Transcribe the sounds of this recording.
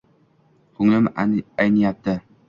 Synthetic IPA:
kʰʊŋlɪmajnɪjap̚t̪ɪ

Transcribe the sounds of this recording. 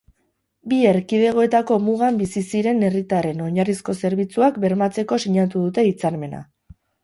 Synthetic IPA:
bieɾkið̞e̞ɣ̞o̞e̞t̪ako̞muɣambisisiɾe̞ne̞rit̪are̞no̞ɲarisko̞se̞ɾβ̞it͡suakbe̞ɾmat͡se̞ko̞siɲat̪uðut̪e̞it͡saɾme̞na̰

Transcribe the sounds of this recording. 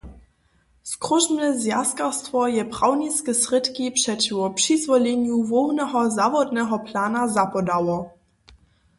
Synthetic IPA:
skʁɔʒmɛzjaskastvɔjɛbʁawniskəsʁɪtkipʂɛtvɔpʂizvɔlɛnjuvɔɣnɛɦɔzavɔdnɛɦɔplaːnazapɔdawɔ

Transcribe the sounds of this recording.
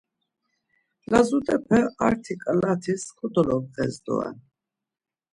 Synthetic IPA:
lazut̪ʼɛpʰɛaɾt̪ʰikʼalat̪ʰiskʰud̪ɔlɔbʁɛzd̪ɔ̰ɛ̰n

